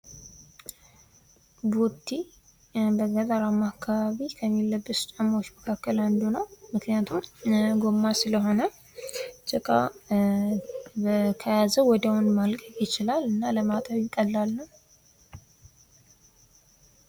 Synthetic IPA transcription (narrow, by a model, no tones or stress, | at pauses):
but̪ʰːi | bəzad̪aɾamakʰːaβaβikʰəmːilːəbːɨst͡ʃʼamːaot͡ʃːməkʰakːəland̪unəwmɨknijat̪ʰumɡo̞mːasɨləɦo̞nə | t͡ʃʼəkʼa̰ | bəkʰəjazəwɔd̪awʊnmalkʼəfjɪt͡ʃɪlalɨnːaləmat̪ʼəβjɪkʼəlːalːəw